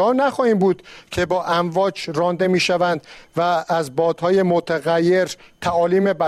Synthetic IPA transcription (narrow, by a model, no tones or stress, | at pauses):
hɒːnæxɒːhiːmbuːd̪̥cʰe̞bɒːʔæmvɒːd͡ʒɾɒːnd̪e̞miːʃævænd̪̥væːzbɒːd̪̥hɒːjemot̪ʰæɣæjːe̞ɾt̪ʰæɒːliːmebæ